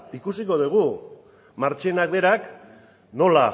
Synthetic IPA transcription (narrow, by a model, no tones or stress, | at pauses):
ikusiko̞ð̞uɣ̞u | maɾt͡ʃe̞nakbe̞ɾak | no̞la